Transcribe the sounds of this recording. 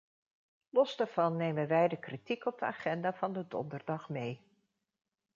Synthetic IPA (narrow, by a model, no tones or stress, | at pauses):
lɔzdaːɹv̥ɑnːejmənʋɛjdəkritikɔb̚dəa̰ːχɛndaːvɑndədɔ̰ndəɹdɑχmej